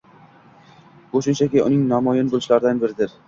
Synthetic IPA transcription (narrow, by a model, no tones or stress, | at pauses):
kʰoʃɪnt͡ʃʰakʲɪʔʊ̰nɪŋnɒmɒjɪnbolˠɪʃlaɾɪd̪anbɪɾɪd̪ɪɾ